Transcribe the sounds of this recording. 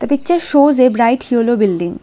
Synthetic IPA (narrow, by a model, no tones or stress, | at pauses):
d̪̥əpɪk̚t͡ʃəɾʃoːzebɾaɪʈhjoːloːbɪlɖɪ̃ŋ